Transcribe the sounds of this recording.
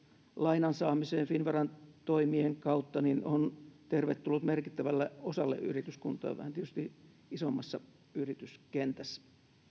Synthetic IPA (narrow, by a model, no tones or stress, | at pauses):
lɑinɑnsɑːmiseːnfinʋɑrɑnt̪oimieŋkɑut̪ːɑninont̪erʋet̪ːulːut̪merkit̪ːæʋælːeosɑlːḛʔʔy̰rit̪yskunt̪ˑɑ̰ːʋʋæ̰hæniet̪yst̪i | isomːɑsːɑ | yrit̪yskent̪æsː